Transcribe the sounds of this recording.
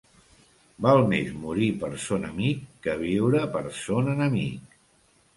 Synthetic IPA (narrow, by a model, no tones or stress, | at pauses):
balˠmḛzmuɾipəɾsonəmikːəβ̞iwɾəpəɾsonənəmḭk